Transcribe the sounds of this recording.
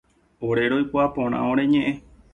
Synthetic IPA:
oɾeɾojkʷaapõɾ̃ã̰õɾẽɲẽʔẽ

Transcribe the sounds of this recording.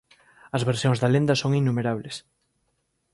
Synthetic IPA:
ɐzβeɾsjoŋzðɐlend̪ɐsoŋinːumeɾaβles

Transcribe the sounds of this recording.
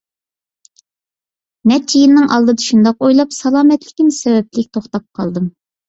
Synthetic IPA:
nɛt͡ʃʰijilnɪŋʔɑlˠd̪ɨd̪ɑʃund̪ɑqojlˠɑpsɑlˠɑːmɛt̪lɪkʲinɪsɛwɛplɪkʲt̪ʰoχt̪ɑp̚qʰɑlˠd̪ɨm

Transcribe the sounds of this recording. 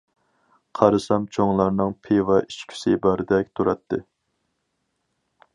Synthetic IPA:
qʰɑɾɨsɑmt͡ʃʰoŋlˠɑɾnɨŋpʰevɑʔit͡ʃkʲʰi̥sɪbɑɾɨd̪ɛkʲt̪ʰuɾɑt̪ʰːɨ

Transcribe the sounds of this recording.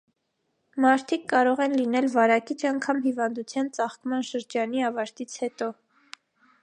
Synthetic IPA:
mɑɾt̪ʰikːɑɾɔʁɛnlinɛlvɑɾɑkit͡ʃʰɑŋkʰɑmɦivɑnd̪ut͡sʰjɑnt͡sɑχkmɑnʃəɾd͡ʒɑniɑvɑɾt̪it͡sʰhɛt̪ɔ

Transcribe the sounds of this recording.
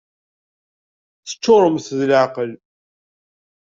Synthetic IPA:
θə̥t͡ʃːʊɾˤəmθðlʕaqəl

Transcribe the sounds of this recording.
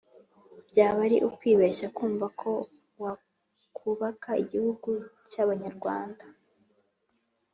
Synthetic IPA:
bɟaːβaɾiʔukwiːβeʃakuːɱvakʰo̞ | wa | kʰuβakaḭɟihuɡucaβaɲaɾɡwaːnda

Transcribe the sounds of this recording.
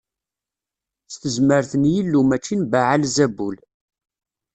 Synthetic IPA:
θt̪əzməɾθənjilːumæt͡ʃːinbaʕalzæbul

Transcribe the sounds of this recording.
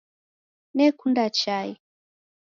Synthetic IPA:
nɛkundat͡ʃai

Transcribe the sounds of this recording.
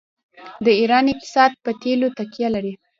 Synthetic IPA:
d̪əiɾɑnɪq̚t̪ɪ̥sɑd̪̚pət̪elot̪akijalaɾi

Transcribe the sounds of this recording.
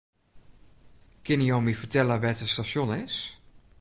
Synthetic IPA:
kɪnijomifəɹtɛləʋɛtəstaʃjonɪs

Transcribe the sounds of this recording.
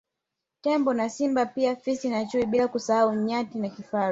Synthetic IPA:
tɛmbɔnasimbapiafisinat͡ʃuiɓilakusahauɲatinakifa

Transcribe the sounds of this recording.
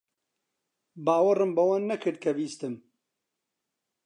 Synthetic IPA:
baːwɐrɨmbɐwɐnːɐkʰɨɾd̪̚kʰɐbiːst̪ɨm

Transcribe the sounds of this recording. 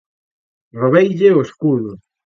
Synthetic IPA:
roβejʎeoeskuɾʊ

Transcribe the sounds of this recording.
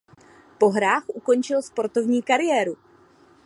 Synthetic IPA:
po̞ɦɾaːxʔuko̞nt͡ʃɪlspo̞ɾt̪o̞vɲiːkaɾɪjɛːɾu

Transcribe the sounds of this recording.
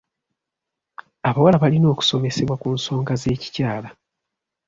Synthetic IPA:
aβawalaβalino̞ːku̥so̞me̞se̞βwakuːnso̞ːŋɡaze̞ːci̥caːla

